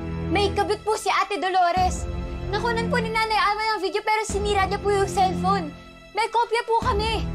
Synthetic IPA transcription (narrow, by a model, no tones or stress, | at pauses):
mɐjkɐbɪt̪̚pʊsɪʔaːt̪ɛd̪oloːɾɛsnɐkunɐnp̬ʊnɪnaːnɐjʔaːmɐnɐŋviːd̪jo̞pɛːɾosɪniːɾɐɲɐpujʊŋsɛlfon | mɐjkoːpjɐpukɐmɛ